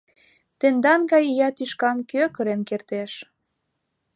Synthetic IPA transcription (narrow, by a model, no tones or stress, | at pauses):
t̪end̪ɑnɡɑjjɑt̪yʃkɑmkøkə̆ɾenkert̪eʃ